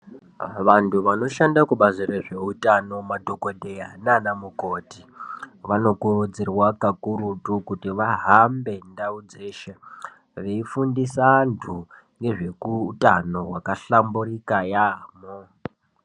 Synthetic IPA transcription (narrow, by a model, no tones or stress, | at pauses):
ʋantʰuʋano̞ʃandakuɓazireʐe̞utʼano̞madʱokodʱejananamuko̞ːti | ʋano̞kurud͡zirwakakuɾutukutiʋaɦambe̞ndaud͡ze̞ːʃe | ʋeifundisantʰu | ŋɡe̞ʐe̞kutʼano̞wakaɬamburikajaːmo